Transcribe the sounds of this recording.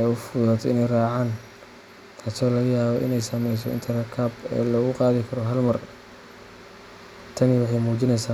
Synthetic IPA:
ɛʊfʊðaːt̪ʰɔɪnɛjraːʕaːn | t̪ʰaːsɔːlɐɣɐjaːβɔʔɪ̰nɛjsɐmɛjs̬ɔ̰ɪ̰nt̪ʰɐɾɐkʰabɛ̰ːlɔːɣʊqɑːðɪkʰɐɾɔɦɐlmɐr | t̪ʰɐmɪwʊħamuːt͡ʃɪnɛjsaː

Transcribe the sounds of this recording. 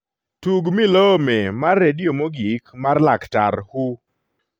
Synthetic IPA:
tuɡmilomemarːedɪomoɡikmarlakta̰ɾhu

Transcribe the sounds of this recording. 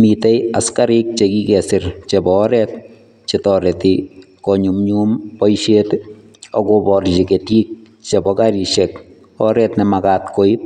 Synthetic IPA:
mitejaskaɾɪk̚t͡ʃekikɛsɪɾt͡ʃebɔːɾɛːt̚ | t͡ʃetɔɾɛti | kɔɲumɲuːmpɔjʃet | ɔ̰kobɔrt͡ʃiketiːk̚t͡ʃebɔkaɾiʃɛk | ɔɾɛtnɛmakaːtkoip̚

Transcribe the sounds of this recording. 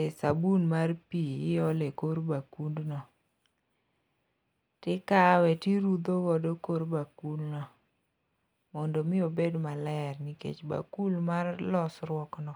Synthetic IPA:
esabunmarpiɪɔlekoɾbakundnɔ | tɪkawɛtiɾud̪oɡɔdokoɾbakulnɔ | mɔndɔmɪobedmalɛrnikḛt͡ʃba̰kulmarlɔsrwɔknɔ

